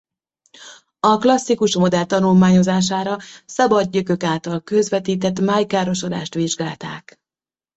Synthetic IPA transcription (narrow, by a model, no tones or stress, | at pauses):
ɒklɒsːikuʃmo̞d̪ɛlt̪ɒnulmaːɲo̞zaːʃ̬aːɾɒsɒbɒd̪̚ːøkø̞kaːlt̪ɒlkø̞zʋɛt̪iːt̪ɛt̪maːjkaːɾo̞ʃo̞d̪a̰ːʃt̪ʋiʒɡaːlt̪a̰ːk